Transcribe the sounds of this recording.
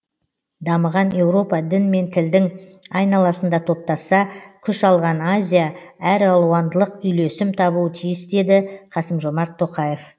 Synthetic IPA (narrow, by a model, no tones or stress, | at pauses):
d̪ɑməʁɑne̞wɾo̞pɑd̪ɪnme̞nt̪ʰɪld̪ɪŋɑjnɑlˠɑsənd̪ɑt̪ʰo̞p̚t̪ɑsɑkʲʰʏʃɑlˠʁɑnazʲijaæɾɑlˠuwɑnd̪əlˠəqʏjle̞sɪmt̪ʰɑbuwət̪ʰijɪsd̪e̞d̪ɪqʰɑsəmʒo̞mɑɾt̪ʰːo̞qɑje̞f